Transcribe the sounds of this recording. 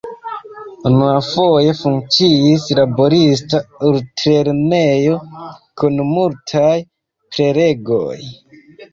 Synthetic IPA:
unuafo̞je̞fuŋkt͡siislabo̞ɾis̬tauɾtɾeɾne̞jo̞kunmultʰaj | pɾe̞ɾe̞ɡo̞̰j

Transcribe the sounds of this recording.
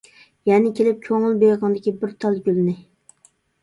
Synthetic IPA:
jɛnɪkʲʰelɪp̚kʲʰøŋɨlˠbejʁɑŋd̪ɪkʲibɪɾt̪ʰɑlˠɡʲylnɪ

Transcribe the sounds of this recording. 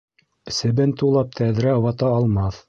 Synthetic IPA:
sɘ̆bɘnt̪ulˠɑp̚t̪ʰæðɾæɑwɑt̪ɑːlˠmɑθ

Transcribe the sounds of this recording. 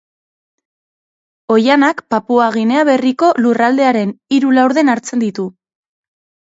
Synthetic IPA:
o̞janakpapuaɣ̞ine̞aβe̞riko̞lurald̪e̞aɾe̞niɾulawɾð̞e̞naɾt͡se̞nd̪it̪u

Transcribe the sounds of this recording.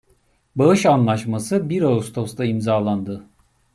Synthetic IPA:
baɯʃanlˠaʃmasɯbiɾaust̪ʰo̞st̪aimzaːlˠand̪ɯ

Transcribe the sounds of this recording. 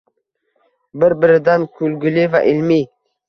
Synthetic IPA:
bɪɾbɪɾɪd̪ankʰulɡʊliva̰ʔilmi

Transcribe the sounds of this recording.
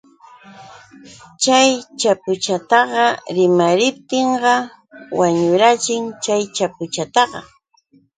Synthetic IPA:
t͡ʃajt͡ʃapʊt͡ʃat̪ɑɢɑɾɪmaɾɪp̚t̪ɪɴɢɑ | waɲʊɾat͡ʃɪŋt͡ʃajt͡ʃapʊt͡ʃat̪ɑɢɑ̰

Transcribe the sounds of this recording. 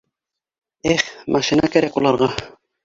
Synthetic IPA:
æχmʔɑʃinɑkæɾækulˠɑɾʁɑ

